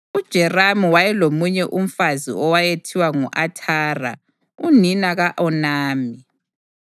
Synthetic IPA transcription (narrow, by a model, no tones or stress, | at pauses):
ud̥ʒ̥ʱɛramuwajɛlomuɲɛʔum̩fazḭɔwajetʰiwaŋuʔatʰaːra̰ | uninaɣaʔɔnaːmi